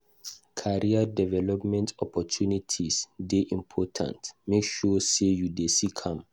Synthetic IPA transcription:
kʰaɹiadɛvɛlɔpmɛ̃ntʰɔpɔtʰunitʰisdeʔĩmpʰɔtʰã̰ntmekʃɔsejudesikʰãm

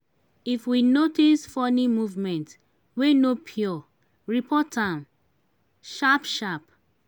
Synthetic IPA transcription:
ifwinotisfɔnĩmuvmɛ̃nt | wenopʰjɔ | ɹipʰɔtʰãm | ʃapʃap

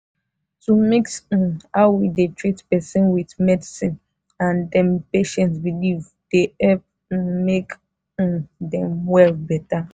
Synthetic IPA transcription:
tumeks̩hawidetɹitpɛsĩnwitmɛdisĩn | ãndɛ̃mpeʃɛ̃ntsbiliv | d̥eɛp̚ | mek | dɛ̃mwɛlbɛta

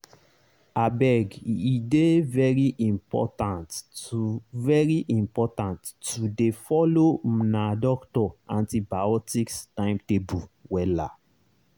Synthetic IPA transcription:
abɛɡidevɛɹiʔĩmpɔ̰tãntuvɛɹiʔĩmpɔtãntudefɔlomnadɔktɔãntibaɔtikstãɪ̃mtebuwɛla̰

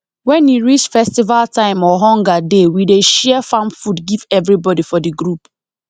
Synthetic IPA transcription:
wɛ̃niɹit͡ʃfɛstivaltãɪ̃mɔɦɔ̃ŋɡadewideʃɛɛfãmfudɡivɛvɾibɔdifɔdiɡɾup

